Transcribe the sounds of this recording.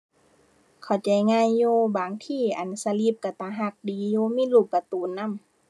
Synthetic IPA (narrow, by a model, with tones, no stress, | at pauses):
kʰa˨˩wt͡ɕa˧˩jŋaː˧˥˨jːuː˧baː˨ŋt̪ʰiː˧˩˨ʔa˨nsa˧li˧˦p̚ka˧˩t̪aː˧˦ɦa˧˨k̚diː˨˦juː˧miː˧˥˨luː˧˩p̚ːa˧˩t̪uː˨nːa˧˥˨m